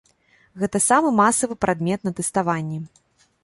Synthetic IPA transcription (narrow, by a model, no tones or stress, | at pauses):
ɣɛt̪ɐsamɨmasɐvɨpɾʔad̪mʲɛt̪nɐt̪ɛst̪avanʲːɛ